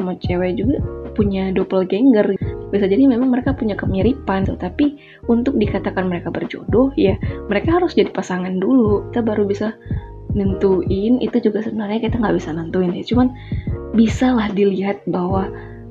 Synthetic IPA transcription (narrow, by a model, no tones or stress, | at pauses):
amot͡ʃewɛd͡ʒuɡapuɲadopəlɡɛŋɡərbiasad͡ʒadimemaŋməɾekapuɲakəmiɾipant̪ut̪api | unt̪ʊk̚dikat̪akanməɾekabərd͡ʒo̰dɔhjaməɾekaɦaɾʊsd͡ʒadipasaŋanduluki̥t̪abaɾubisa | nənt̪uɪnḭt̪ud͡ʒuɡasəbənarɲakit̪aŋɡaʔbisanənt̪uɪnjat͡ʃuman | bisalahdiliɦat̪̚baɦwa